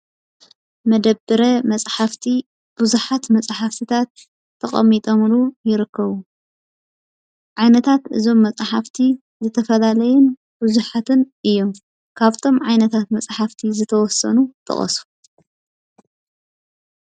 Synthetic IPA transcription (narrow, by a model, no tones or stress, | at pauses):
mɐd̪ɐbɨɾɐmɐt͡sʼħaft̪ʰi | b̥uzuħat̪mɐt͡sʼħaft̪ʰɨt̪ʰat̪ʰː | ɐχʼɐ̰mːit̪ʼomlujɪɾɨkːɐβu | ʕajnɐt̪ʰat̪ʔɨ̰zo̞mːɐt͡sʼħaft̪ʰi | zɨt̪ʰɐfɐlalɐjun | b̥uzuħat̪ʰɨnʔɨjːo̞m | kʰaβt̪ʰo̞mʕajnɐt̪ʰat̪mɐt͡sʼħaft̪ʰizɨt̪ʰɐwɔsɐ̰nut̪ʼɨ̰χʼɐ̰su̥